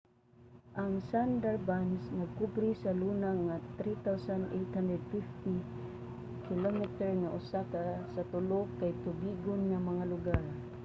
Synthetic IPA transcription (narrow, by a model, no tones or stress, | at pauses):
ʔaŋsand̪ɛɹbansnaɡ̚kubɾisalunaŋat̪ɾit̪awsand̪ejt̪hand̪ɹɛd̪̚fift̪i | kʰɪlomɛt̪ɛɹŋaʔʊsakasat̪ʊlʊkːajt̪ʊbiɡʊnŋamaŋalʊɡaɹ